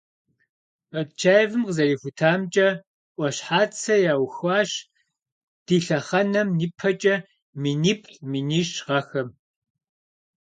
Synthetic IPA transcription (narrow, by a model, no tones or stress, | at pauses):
pɐt͡ʃʰaːjvɨmqəzɐriːfʷutʰaːmt͡ʃʼɐ | ʔʷʼɔɕħaːt͡sʰɐjaːwxʷaːɕ | d̥iːɬɐχɐnɐmniːpʰɐt͡ʃʼɐ | miniːpʰʼminiːɕʁɐxɐm